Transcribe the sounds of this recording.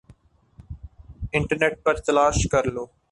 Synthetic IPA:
ɪ̃ɳʈəɾneʈ̚pɐɾt̪ɐlaːʃkɐɾloː

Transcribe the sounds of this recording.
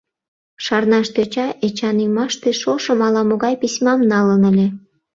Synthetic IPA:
ʃɑrnɑʃt̪øt͡ɕɑʔet͡ɕɑnymɑʃt̪eʃoʃə̆mɑlɑmoɣɑjpisʲmɑmnɑlənəlʲe

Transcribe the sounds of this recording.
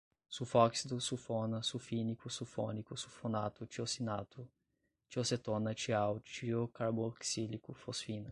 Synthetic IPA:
sufɔksid̪usufonɐsufinikusufɔnikusufonat̪ut͡ʃiosinat̪u | t͡ʃioset̪onɐt͡ʃiawt͡ʃiokaɾboksilikufosfinɐ

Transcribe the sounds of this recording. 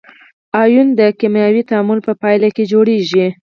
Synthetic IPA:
ɑjund̪əkimjɑwit̪aamʊlpəpɑjlaked͡ʒoɽeʒi

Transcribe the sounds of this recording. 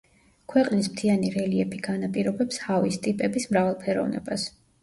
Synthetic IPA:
kʰwɛqʼnismt̪ʰianiɾɛliɛpʰiɡ̥anapʼiɾɔbɛpshavist̪ʼipʼɛbismɾavalˠpʰɛɾɔ̰vnɛ̰bas

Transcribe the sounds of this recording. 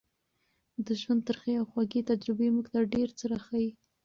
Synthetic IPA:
d̪əʒwand̪̚t̪əɾxeawxwaɡet̪ad͡ʒɾɪbemuɡt̪aɖeɾt͡səɾaxaji

